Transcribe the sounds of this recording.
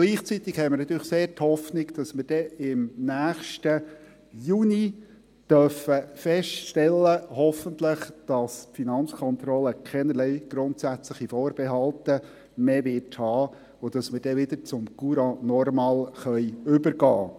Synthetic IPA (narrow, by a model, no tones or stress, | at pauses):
ɡ̥liːχt͡sit̪ɪkhɛjməɾnɑt̪ːyːɾlɪχseːɾthɔfnɪɡd̥ɑsmɪɾd̥ɛɪmnæːχʃtə | juni | d̥œfəfɛʃtʃtɛlːəɦɔfəntləχd̥ɑsfinɑnt͡skʰɔnt̪ɾɔləkʰɛnəlɛɪɡ̥ɾʊnt̪sæt͡sləχifɔːɾb̥ɛɦɑlt̪ə | meːʋɪrthɑː | ʊd̥ɑsməɾd̥ɛʋɪd̪əɾt͡sʊmkuɾɑnɔrmɑːlχœjʏbəɾɡɑː